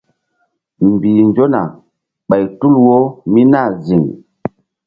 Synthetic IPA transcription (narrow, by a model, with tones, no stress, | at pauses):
m˨bi˨nd͡ʒo˦na˨ | ɓa˨jtu˦lwo˦mi˦na˦˨zi˨ŋ